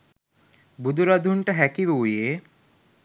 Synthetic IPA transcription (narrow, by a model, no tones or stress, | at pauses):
bud̪ʱuɾad̪ʱuɳʈaɦɛkiʋeuje